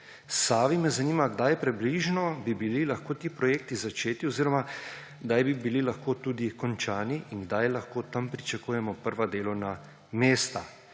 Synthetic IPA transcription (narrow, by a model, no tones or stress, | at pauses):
saːʋimɛzaniːmaɡd̪ajpɾɛbliʒnɔbibililaxkoːt̪iːpɾɔjeːk̚t̪izat͡ʃeːt̪iɔziːɾɔma | ɡd̪ajbibililaxkoːt̪ud̪ikɔnt͡ʃaːniʔinɡd̪ajlaxkoːt̪ampɾit͡ʃakuːjɛmɔpəɾʋad̪eːlɔwna | meːst̪a